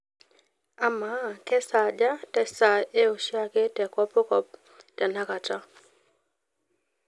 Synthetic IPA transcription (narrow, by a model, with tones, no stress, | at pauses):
a˨ma˨˦˨kɛ˦sa˨d͡ʒa˦tɛ˨sa˨e˦o˨ʃja˦ke˦tɛ˨kɔ˦po˦kɔ˨p̚ | da˨na˦ka˨ta˦